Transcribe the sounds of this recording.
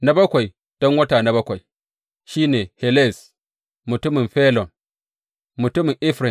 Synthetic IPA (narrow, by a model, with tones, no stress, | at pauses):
na˦bɐ˦kʷa˨j | d̥ɔ˦ŋwɐ˦taː˨na˨bɐ˦kʷa˨j | ʃiː˦neː˨hɛ˨le˦˨s | mʊ˨tʊ˦mɪ˨mɸɛː˦lɔ˨n | mʊ˨tʊ˦mɪ˨ŋʔɪ˦ɸɾɪ˨